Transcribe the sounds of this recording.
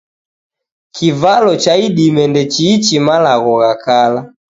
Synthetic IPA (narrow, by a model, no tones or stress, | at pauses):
kivalɔt͡ʃaiɗimɛndɛt͡ʃiːt͡ʃimalaɣɔɣakala